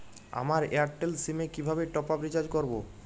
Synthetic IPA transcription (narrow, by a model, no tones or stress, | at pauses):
a̰maɾḛaɾʈelsimekibʱabeʈɔpabɾit͡ɕaɾd͡ʑkoɾbo